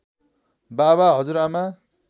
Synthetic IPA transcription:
baβaɦʌd͡zuɾama

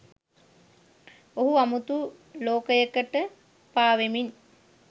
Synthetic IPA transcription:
oɦuamut̪u | loːkəjəkəʈə | paːʋemin

